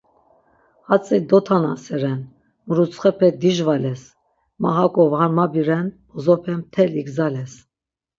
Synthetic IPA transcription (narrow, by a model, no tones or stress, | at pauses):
hat͡sʼid̪ɔt̪ʰanasɛɾɛn | məɾut͡sχɛpʰɛd̪iʒvalɛs | maɦakʼɔvhaɾmabiɾɛnbɔzɔpʰɛmt̪ʰɛliɡzalɛs